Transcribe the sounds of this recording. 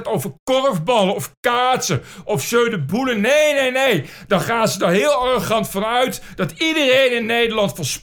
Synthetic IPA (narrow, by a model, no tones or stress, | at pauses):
towvəɹkɔrfbɑləɔfkaːtsəʔɔfsøɥdəbulənejnejnej | d̥ɑχaːnzədɑɹɦɪːlˠaroχɑntfɑnœɥtd̥ɑtidərejnɪnːejdəɹlɑntfəɹsp